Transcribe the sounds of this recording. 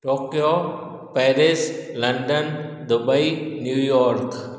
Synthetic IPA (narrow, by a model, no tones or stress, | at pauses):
ʈoːkjo | pɛːɾɪslɐ̃ɳɖən | d̪ʊbəinjuːjɔːɾk